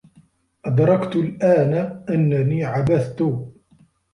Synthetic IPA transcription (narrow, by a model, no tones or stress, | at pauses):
ʔad̪ɾˤɑkt̪ʊlʔaːnaʔanːaniːʕabaθt̪ʊ